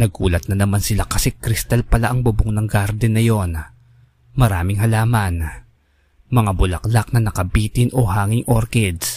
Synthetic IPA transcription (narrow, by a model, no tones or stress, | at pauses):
nɐɡ̚ʔuːlɐt̪̚nɐnɐmansɪlakɐsɛkɾɪst̪alpɐlaʔɐŋbʊbʊŋnɐŋɡaɾd̪ɛnɐjo̞n | mɐɾaːmɪŋɦɐlaːmɐn | mɐŋabʊlɐklak̚nɐnɐkɐbiːt̪ɪnʔohaːŋɪŋʔoɾkɛd̪s